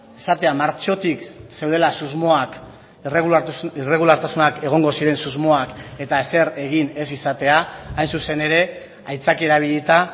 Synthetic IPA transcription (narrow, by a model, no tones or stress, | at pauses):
esat̪e̞amaɾt͡ʃo̞t̪ikse̞wð̞e̞lasuzmo̞ak | reire̞ɣ̞ulaɾt̪asunake̞ɣ̞o̞ŋɡo̞siɾe̞nsuzmo̞ake̞t̪aese̞ɾe̞ɣine̞sisat̪e̞aːajnsuse̞ne̞ɾe̞ | ajt͡sakie̞ɾaβ̞iʎit̪a